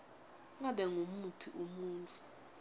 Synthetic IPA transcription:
ŋaɓɛŋumupʰiʔumuːnt͡sʰʼu̥

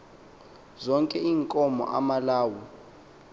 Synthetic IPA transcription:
zɔŋkʼɛiːŋkʼɔmɔ̰ʔa̰malaːwɔ

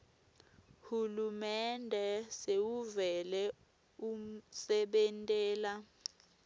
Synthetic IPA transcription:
hulumɛndʱɛsewuvɛlɛ | um̩sɛɓɛntʼɛːla

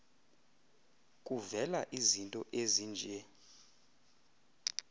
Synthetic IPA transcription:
kʼuvɛlaʔizintʼɔʔeziːnd͡ʒʱɛ

